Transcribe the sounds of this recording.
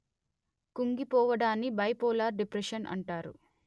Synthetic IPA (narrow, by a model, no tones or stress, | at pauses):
kuŋɡipɔːʋɐɽaːnːibɐjpɔːlaːɾɖipɾeʂɐnʔɐ̰ɳʈaːɾṵ